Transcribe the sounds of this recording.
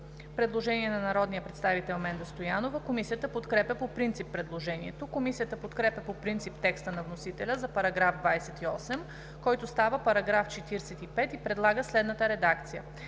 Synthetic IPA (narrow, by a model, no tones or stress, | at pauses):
pɾɛd̪lˠoʒɛniɛnɐnɐɾɔd̪nijəpɾɛt̪st̪avit̪ɛlˠmɛnd̪ɐst̪ojanovəkomisijət̪əpot̪kɾɛpjəpopɾint̪sipːɾɛd̪lˠoʒɛniɛt̪okomisijət̪əpot̪kɾɛpʲjɐpopɾint̪sipt̪ɛkst̪ənɐvnosit̪ɛlʲəzɐpɐɾɐɡɾavd̪vajsɛt̪iɔsɛm | kɔjt̪ost̪avəpɐɾɐɡɾaft͡ʃɛt̪iɾsɛt̪ipɛt̪ipɾɛd̪lˠaɡəslɛd̪nət̪əɾɛd̪akt̪sijə